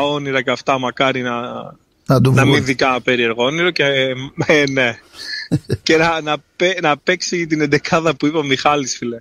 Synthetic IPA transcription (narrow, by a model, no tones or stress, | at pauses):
o̞niɾɐceɐft̪ɐmɐkɐɾinɐ | nɐd̪unɐminðikɐpe̞ɾie̞ɾɣoniɾoceene | cenɐnɐpenɐpeksit̪inend̪e̞kʰɐðɐpuipɐmixɐlisfile